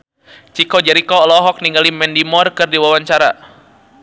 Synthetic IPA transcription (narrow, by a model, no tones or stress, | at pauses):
t͡ʃikɔd͡ʒɛɾikɔːlɔɦɔk̚niŋɡalimɛndimɔrkɨrdiwawaɲt͡ʃaɾa̰